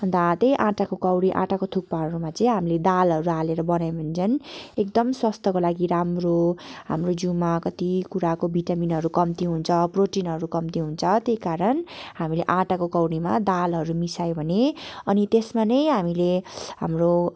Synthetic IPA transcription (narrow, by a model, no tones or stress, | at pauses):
d̪at̪ʌjʔãʈakokʌwɽiʔã̰ʈakot̪ʰuk̚paɦʌɾumat͡sʌĩɦamiled̪alɦʌɾualeɾʌbʌnajbʱunt͡sʰʌnek̚d̪ʌmswʌst̪ʰʌkolaɡiɾamroɦa̰mrod͡zumakʌt̪ikuɾakobʱiʈaminɦʌɾukʌmt̪iɦunt͡sʰʌproʈinɦʌɾukʌmt̪iɦunt͡sʰʌt̪ekaɾʌnɦamileʔãʈakokʌwɽimad̪alɦʌɾumisajbʱʌneʌnit̪esmanʌjɦamileɦamro